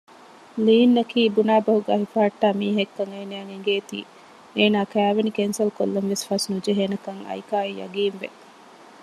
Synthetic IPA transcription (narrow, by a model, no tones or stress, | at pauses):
liːnːɐkiːbunaːbɐɦuɡæːɦifaːʈːaːmiːɦekːɐŋeːnejɐŋeŋɡeːt̪ḭː | eːnaːkæːʋenikensɐlko̰lːɐnʋesfɐsnud͡ʒeɦeːnɐkɐŋɐ̰jkaːijɐ̰ɡiːnʋḛ